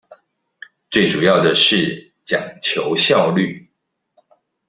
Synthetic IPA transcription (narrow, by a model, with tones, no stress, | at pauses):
t͡swe˥˩ɪʈ͡ʂu˨˩jɑ˥˩ʊd̪ə˩ʂɻ̩˥˩ | t͡ɕjɑ˨˩ŋt͡ɕʰjo˧˥ʊɕjɑ˥˧ʊly˥˨